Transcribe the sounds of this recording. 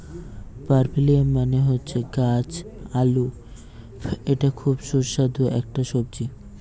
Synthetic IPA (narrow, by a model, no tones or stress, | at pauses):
paɾbiliamːaneɦotːɕʰeɡat͡ɕalu | eʈakʰubʃuɾʃad̪ʱoʔɛ̰k̚ʈaʃob̚d͡ʑi